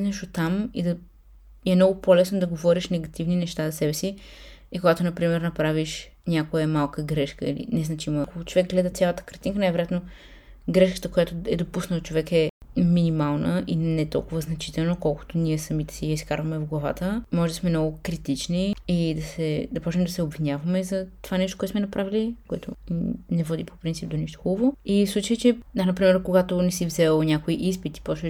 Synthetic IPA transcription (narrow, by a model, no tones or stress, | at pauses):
nɛʃot̪amid̪ɐ | ɛmnɔɡʊpolɛsnod̪ɐɡovɔɾiʃnɛɡɐt̪ivninɛʃt̪azɐsɛbɛsiikoɡat̪onɐpɾimɛɾnɐpɾaviʃ | nʲakojɛmalˠkəɡɾɛʃkəḭlḭnɛznɐt͡ʃiməkot͡ʃovɛk̚ɡlɛd̪ɐt̪sʲjalˠət̪ə̥kɐɾt̪inkənajvɛɾjat̪no | ɡɾɛʃkə̥t̪əkojat̪oɛd̪opusnət̪ot͡ʃovɛkɛminimalˠnəʔinɛt̪ɔ̰lˠkʊvəznɐt͡ʃit̪ɛlˠnokɔlˠko̥t̪oniɛsɐmit̪ɛ̥siiskaɾvɐmɛvɡlˠɐva̰t̪əmɔʒɛd̪ɐsmɛmnɔɡʊkɾit̪it͡ʃniid̪ɐsɛd̪ɐpɔt͡ʃɛmd̪ɐsɛobvinʲjavɐmɛzɐt̪ovanɛʃt̪okɔɛt̪smɛnɐpɾʔavilikoɛ̰t̪o̰nɛvɔd̪ipʰo̥pɾint̪ip̚d̪oniʃt̪o̥xubəvoifslˠut͡ʃəjit͡ʃɛd̪anɐpɾimɛɾkoɡat̪onɛsivzɛlˠnʲakoiʔispit̪i̥pɾɔt͡ʃɛ